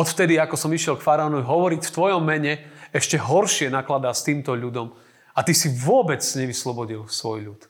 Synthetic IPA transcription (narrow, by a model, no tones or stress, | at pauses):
ɔt̪ft̪ɛd̪iakɔsɔmiʃɪɛlkfaɾaɔnɔiɦɔʋɔɾicft̪ʋɔjɔmːɛɲɛɛʃcɛɦɔɾʃɪɛnaklad̪aːst̪iːmt̪ɔʎud̪ɔm | at̪isiʋʊɔbɛt͡sɲɛʋislɔbɔɟilsʋɔjʎut̪